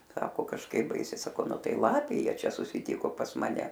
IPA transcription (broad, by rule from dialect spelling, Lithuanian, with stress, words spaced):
ˈsɑːkoː kɐʃˈkɐɪp ˈbɐɪsʲɛɪ sɐˈkɐʊ ˈnʊ ˈtɐɪ ˈlˠɑːpʲeː ˈjiɛ ˈt͡ʃʲɛ sʊsʲɪˈtʲɪkoː pɐs mɐˈnʲɛ